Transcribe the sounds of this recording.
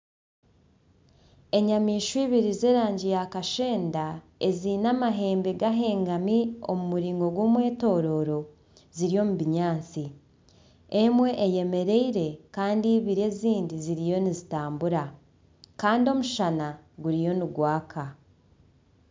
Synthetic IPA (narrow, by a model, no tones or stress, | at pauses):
e̞ɲamiːʃwiːβiɾize̞ːɾaːɲɟijakaʃe̞ːnda | ezinamaɦe̞ːmbeɡaɦe̞ːŋɡamio̞mumuɾiːŋɡoɡwoːmwe̞ːto̞ːɾo̞ɾo̞ | ziɾijo̞muβiɲaːnt͡si | emwe̞ʔːje̞me̞ɾe̞iɾe̞kaːndiβiɾe̞ziːndiziɾijo̞nizitaːmbuɾa | kaːndio̞muʃanaɡuɾijo̞nuɡwaːkʰa